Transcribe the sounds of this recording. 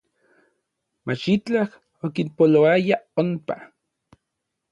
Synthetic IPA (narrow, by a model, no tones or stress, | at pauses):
mat͡ʃit͡ɬah | okinpoloajaompa